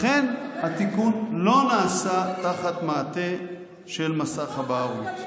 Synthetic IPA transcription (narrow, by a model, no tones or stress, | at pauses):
χenhat̪ikunlo̞naːsat̪aχat̪maːt̪e̞ | ʃe̞lmasaχhabaːʁut͡s